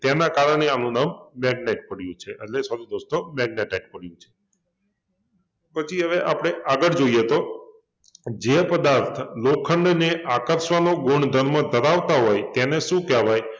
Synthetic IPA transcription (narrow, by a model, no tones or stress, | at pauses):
t̪enakaɾəɳ̃eanũnamːɛɡ̚neʈ̚pəɽjũt͡ʃʰeʔəʈlesəɾud̪ost̪omɛɡneʈak̚pəɽjũt͡ʃʰe̥ | pət͡ʃʰiɦəʋeʔapɽ̃eaɡəɭd͡ʒoijet̪o | d͡ʒepəd̪aɾt̪ʰlokʰːəɳɖneʔakəɾʃʋanoɡoɳd̪ʱəɾmãd̪ʱəɾaʋt̪aɦɔjt̪eneʃũkɛʋaj